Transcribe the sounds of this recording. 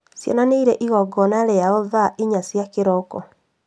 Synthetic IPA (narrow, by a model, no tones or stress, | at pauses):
sjɔ̰naneiɾɛʔiɣɔɡɔnaɾɛjaɔðaʔiɲasjakeɾɔkɔ̰